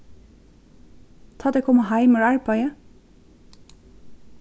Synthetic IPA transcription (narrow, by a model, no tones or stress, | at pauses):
t̪ʰɑːd̪ekʰɔmɑhɑɪməɹæɹpʰɑɪə